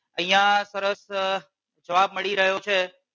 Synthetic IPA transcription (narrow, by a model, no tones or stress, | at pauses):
ĩːãsəɾəs | d͡ʒɐʋaːb̚məɽiɾɐɦijot͡ʃʰeː